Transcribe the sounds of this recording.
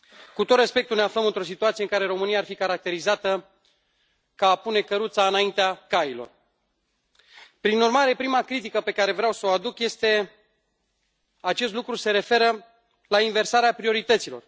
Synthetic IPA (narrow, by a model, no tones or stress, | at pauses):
kut̪ot̪respe̞k̚t̪ulneafləmɨnt̪ɾo̞s̬it̪uat̪sieɨŋkaɾe̞ɾo̞mɨnijaːrfikaɾak̚t̪e̞ɾizat̪ə | kaːpune̞kəɾut̪saɨnaint̪eakailo̞̰r | pɾinurmaɾe̞pɾimakɾit̪̬ikəpe̞kaɾe̞vɾeawsəoad̪ukje̞st̪e̞ | at͡ʃe̞st̪lukɾuse̞ɾe̞fe̞ɾə | lainve̞rsaɾeapɾio̞ɾit̪ət̪silo̞̰r